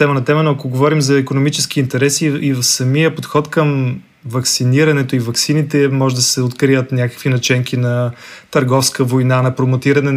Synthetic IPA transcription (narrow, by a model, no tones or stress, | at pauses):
ɛmənɐt̪ɛmənoɐkoɡovɔɾimzɐɛkonomit͡ʃɛsk̟iːnt̪ɛɾɛsiivfsɐmijəpot̪xɔt̪kəm | vɐksiniɾɐnɛt̪oivɐksinit̪ɛmɔʒɛd̪ɐsɛot̪kɾijət̪nʲakə̥kvinɐt͡ʃɛŋkʰʲinɐt̪ɐɾɡɔfskəvojnanɐpɾomot̪iɾɐnɛ